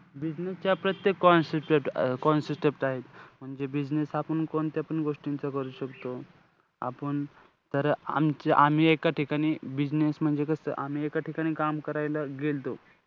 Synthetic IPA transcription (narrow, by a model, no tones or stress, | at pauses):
bid͡ʑnest͡ɕjapɾət̪jekːɔnsiʈeʈkɔnsisʈepʈaɦet̪m̤əɳd͡zebid͡ʑnesapəɳkoɳt̪japəɳɡoʂʈint͡səkəɾuːɕəkt̪o | a̰pəɳ | t̪əɾa̰mt͡ɕeʔam̤iekaʈʰikaɽ̃iːbid͡ʑnesm̤əɳd͡zekəst̪ə̰ʔam̤iekaʈʰikaɽ̃iːkamkəɾajlaɡelt̪o